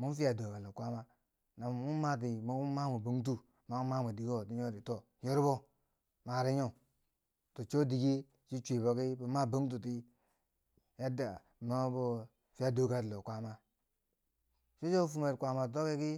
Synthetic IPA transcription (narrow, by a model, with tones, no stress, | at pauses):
mu˦n˦fi˦a˨do˨ka˨lo˨kʷa˦ma˦ | na˨m˨mu˦ma˦t̬i˨mo˦u˦ma˦mo˨bo˨ŋt̬u˦ | ma˨˦u˦ma˦mo˨di˨ɡo˨ti˦ɲo˦ɾi˨to˦ | jo˦ɾbo˦ | ma˨ɾi˦ɲo˦ | to˨t͡ʃo˦di˨ɡe˦ | t͡ʃi˦t͡ʃʷe˨bo˨ki˦bo˨ma˦˨bo˦ŋt̬u˨ti˦ | ja˦da̰˨ | no˦bo˦ | fi˦ja˦do˨˦ɡa˨tlo˨kʷa˦ma˦ | t͡ʃo˦t͡ʃo˦fu˨me˨kʷa˨ma˨to˦ki˦ki˦